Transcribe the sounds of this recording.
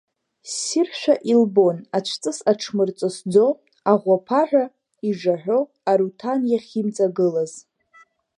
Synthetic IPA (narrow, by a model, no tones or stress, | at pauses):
sirʃᶣaʔilbo̞nat͡ʃʷʰt͡sʼɨsaʈ͡ʂʰmɨrt͡sʷʼɨsd͡zo̞ | aʁʷapʰaħᶣʷa | iʐaħᶣʷo̞ | aɾutʰanjaχʲimt͡sʼaɡɨlaz